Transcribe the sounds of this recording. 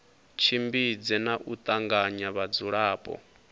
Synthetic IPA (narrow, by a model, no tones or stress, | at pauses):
t͡ʃʰimbid͡zɛnaʔut̪ʼaŋɡaɲaβad͡zuɺaːpʼɔ̰